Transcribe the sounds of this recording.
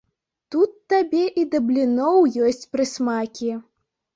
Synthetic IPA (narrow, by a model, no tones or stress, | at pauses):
t̪ut̪ːabʲɛʔid̪ɐblʲinɔwjɔsʲt͡sʲpɾɨsmakʲi